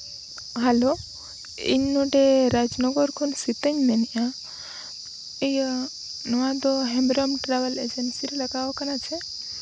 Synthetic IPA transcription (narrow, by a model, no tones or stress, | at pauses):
ɦəlo | ḭɲnoʈeɾad͡ʒnɔɡɔɾkʰonsit̪əɲnenija | ejə | nəʋãd̪oɦɛmɾɔmʈɾaʋəled͡ʒensiɾeləɡaʋokənat͡ʃʰe